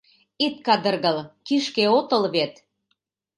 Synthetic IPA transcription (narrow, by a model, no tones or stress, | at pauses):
it̪̚kɑd̪ə̆rɣəlkiʃkeot̪ɤ̆lβet̪